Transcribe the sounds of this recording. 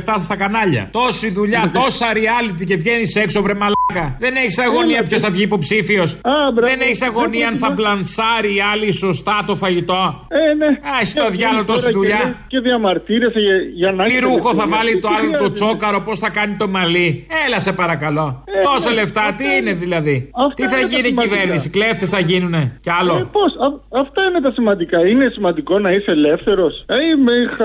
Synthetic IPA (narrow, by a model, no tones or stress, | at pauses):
ft̪ɐsst̪ɐkɐnɐʎɐ̰t̪o̞siðuʎɐt̪o̞sɐɾiɐlit̪̬ice̞vʝenise̞ksovɾemɐlɐkɐðe̞ne̞çisɐɣo̞niɐpço̞sθɐvʝiːpo̞psifio̞sɐbðeneçisɐɣo̞niɐɐnθɐblɐnsɐɾiɐliso̞st̪ɐt̪o̞fɐʝit̪o̞ | eneɐsi̥t̪oðʝɐlot̪o̞siðuʎɐceðiɐmɐɾt̪iɾesɐʝɐʝɐnɐiɾuxo̞θɐvɐlit̪oɐlot̪ot͡st͡so̞kɐɾo̞po̞sθɐkɐnit̪o̞mɐlielɐse̞pɐɾɐkɐlo̞et̪o̞sole̞ft̪ɐt̪iine̞ðilɐðiɐft̪t̪iθɐʝinciveɾnisikleft̪esθɐʝinune̞ceɐloposɐɐft̪ɐinet̪ɐsimɐnd̪ikɐinesimɐnd̪iko̞nɐiseele̞fθe̞ɾo̞seimexɐ